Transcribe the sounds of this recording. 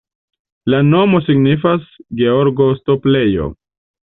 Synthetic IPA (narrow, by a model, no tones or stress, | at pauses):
lano̞mo̞siɡnifasɡe̞o̞ɾɡo̞stople̞jo̞̰